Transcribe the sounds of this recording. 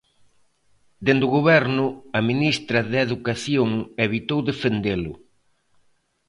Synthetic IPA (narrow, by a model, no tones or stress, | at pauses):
d̪end̪ʊɣoβɛɾnʊɐminist̪ɾɐðeðukaθjoŋeβit̪owðefend̪elʊ̰